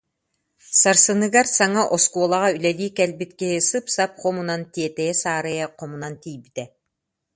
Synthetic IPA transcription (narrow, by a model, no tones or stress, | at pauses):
saɾsɯnɯɡaɾsaŋaʔɔskuɔlˠaʁaylɛliːkɛlbit̪kɛɦisɯpsap̚χɔmunant̪iɛt̪ɛjɛsaːɾɯjaqɔmunant̪ijbit̪ɛ